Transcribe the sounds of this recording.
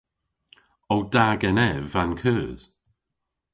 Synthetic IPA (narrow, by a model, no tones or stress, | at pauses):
owd̥aɡɛnɛvankʰœːz̥